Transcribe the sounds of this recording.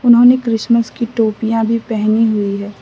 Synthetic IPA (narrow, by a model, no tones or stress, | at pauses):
ʊnɦõnekɾɪsməskiʈoːpijãbʱipɛɦniɦʊiɦɛː